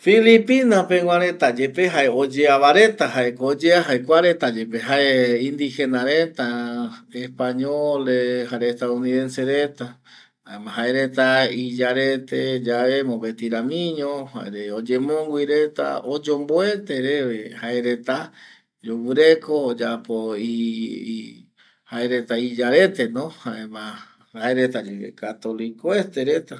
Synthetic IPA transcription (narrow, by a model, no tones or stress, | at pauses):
filipinapẽwʷãɾe̞t̪ad͡ʒe̞peɦaeod͡ʒeaβaɾe̞t̪ahaekod͡ʒeaɦaekʷaɾe̞t̪ad͡ʒe̞peɦaeĩnd̪ixe̞naɾet̪aespaɲoleɦaɾeest̪auniðe̞nseɾet̪a | a̰emãɦaeɾe̞t̪aid͡ʒaɾe̞t̪ed͡ʒaβemõbe̞t̪iɾamĩɲõha̰eɾeod͡ʒemõwʷiɾe̞t̪a̰od͡ʒomboet̪eɾeβehaeɾe̞t̪a | d͡ʒowɨɾekoːd͡ʒapoi | haeɾet̪aid͡ʒaɾe̞t̪e̞nõhaemã | haeɾet̪ad͡ʒeekat̪olikoet̪eɾet̪a